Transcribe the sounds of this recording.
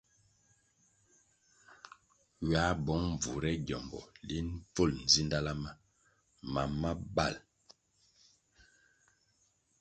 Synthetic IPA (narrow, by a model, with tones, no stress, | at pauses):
ɥa˨˦bɔ˨˦ŋ˨b͡vu˨ɾɛ˦ɟjɔ˨mbɔ̰˨li˦n˦p͡fo˦˨ln̩˨zi˦nda˦la˦ma˦ | ma˨ma˦ba˦˨l